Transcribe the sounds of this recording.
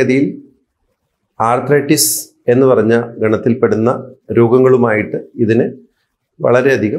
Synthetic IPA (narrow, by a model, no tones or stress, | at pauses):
ɐðijil | aːrt̪rɐjʈːis | e̞nːɨpɐrɐɲːɐɡɐɳɐt̪ːilpeɽunːɐɾoːɡɐŋːɐɭumaːjiʈːɨiðinɨ | ʋɐ̰ɭɐɾe̞ɐd̪ʱiɣɐ